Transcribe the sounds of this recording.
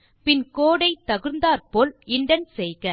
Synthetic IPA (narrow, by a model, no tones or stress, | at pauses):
pɪnkoːɽɐɪt̪ːɐɣɯɾnd̪aːɾpoːlɪɳɖɐnsɛjɣɐ